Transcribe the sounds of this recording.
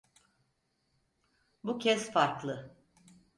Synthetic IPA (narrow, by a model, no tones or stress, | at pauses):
bucʰɛsfaɾklˠɯ